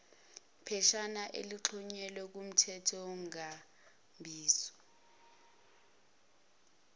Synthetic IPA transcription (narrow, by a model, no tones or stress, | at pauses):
pʰɛʃanaʔḛliǁʰɔɲɛlɛk̬um̩tʰɛtʰɔŋa | mbʱiːsɔ̥